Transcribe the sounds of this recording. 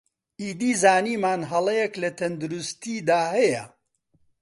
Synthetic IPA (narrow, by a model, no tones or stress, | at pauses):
ʔiːd̪iːzaːniːmaːnɦɐlˠɐjɛklɐt̪ʰɐnd̪uɾust̪iːd̪aːhɛjɐ̰